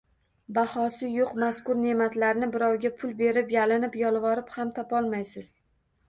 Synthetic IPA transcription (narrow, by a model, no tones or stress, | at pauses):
bahɒsɪjoqmaskʊɾne̞mat̪laɾnɪbɪɾawɡʲapʰʊlˠbe̞ɾɪpjalɪnɪpjɒlˠvɒɾɪphamt̪ʰɒpɒlˠmajsɪz̥